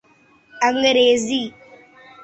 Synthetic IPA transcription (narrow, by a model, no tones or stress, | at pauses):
aŋɡəɾezi